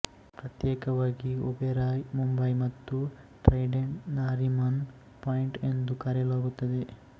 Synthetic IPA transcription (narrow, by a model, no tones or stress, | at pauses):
pɾɐt̪jeːkɐʋaːɡiobeɾaːjmumbɐjmɐt̪ːu | ʈɾɐjɖeɳnaːɾimɐn | paːjiɳʈend̪ukɐːɾjɐlaːɡut̪ːɐd̪e